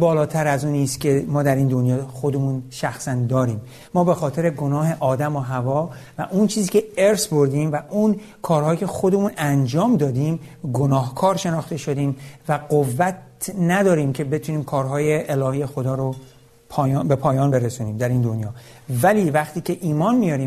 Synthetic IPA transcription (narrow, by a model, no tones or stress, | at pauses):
bɒːlɒːt̪ʰæɾæzuːniːst̪cʲʰe̞mɒːd̪æɾiːnd̪o̞njɒːxo̞d̪emuːnʃæxsænd̪ɒːɾiːmː | ɒːbe̞xɒːt̪ʰe̞ɾe̞ɡo̞nɒːɦe̞ʔɒːd̪æmoɦævɒːvæ̰ʔunt͡ʃʰiːziːcʰe̞eɾsbo̞ɾd̪iːmvæʔun | kʰɒːɾhɒːjicʲʰe̞xo̞d̪e̞muːnænd͡ʒɒːmd̪ɒːd̪iːmɡo̞nɒːɦkʰɒːɾʃe̞nɒːχt̪e̞ʃo̞d̪iːmvæɢovːæt̪næd̪ɒːɾiːmcʰe̞be̞t̪ʰuniːmkʰɒːɾɦɒːje̞ʔːlɒːhiːje̞xod̪ɒːɾo | pʰɒːjbe̞pʰɒːjɒːnbe̞ɾesuːniːmd̪æɾiːnd̪onjɒːvæliːvæχt̪ʰiːcʲʰe̞ʔiːmɒːnmijɒːɾiːm